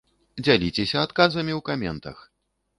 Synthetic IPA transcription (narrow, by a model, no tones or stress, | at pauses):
d͡zʲalʲit͡sʲesʲɐat̪kazɐmʲiwkamʲɛnt̪ɐ̰x